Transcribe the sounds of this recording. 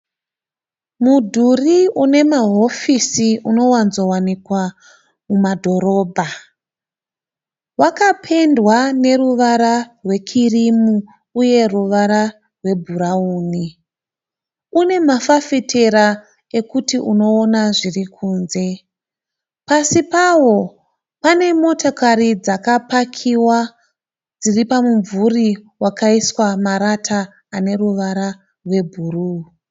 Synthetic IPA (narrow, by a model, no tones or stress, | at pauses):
mudʱuriune̞maɦo̞fisiuno̞wanzo̞wanikwa | mumadʱo̞ɾo̞ːbʱa | wakapʰe̞ndwane̞ɾuʋaɾarwe̞kʰirimuː | je̞ruʋaɾa | rwe̞bʱuɾauːni | une̞mafafitʰe̞ɾa | e̞kutiuno̞ːnaʐirikʰuːnze̞ | pasipawo̞ | pane̞mo̞tokaɾid͡zakapakʰiwa | d͡ziripamuɱvuriwakaiswamaɾatʰaː | ne̞ruʋaɾa | rwe̞bʱuːruː